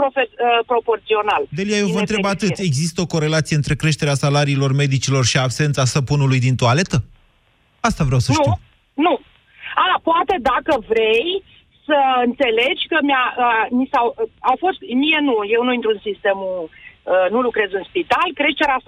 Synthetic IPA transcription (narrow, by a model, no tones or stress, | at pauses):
ɾofeəpɾo̞po̞rt̪sio̞nald̪elijajewvənt̪ɾebat̪ɨe̞ɡzist̪əo̞ko̞ɾe̞lat̪sijɨnt̪ɾe̞kɾe̞ʃt̪eɾeasalaɾiːlo̞rme̞d̪it͡ʃilo̞rʃiabse̞nt̪sasəpunulujd̪int̪oale̞t̪ə | ast̪avɾʲawsənʃti | nu | apoat̪e̞d̪akəvɾe̞j | səɨnt̪se̞le̞d͡ʒʲkəmʲaəmisawawfo̞st̪mijenuje̞wnuint̪ɾuɨnsist̪e̞muənulukɾe̞zɨnspit̪alkɾe̞t͡ʃ̪eɾas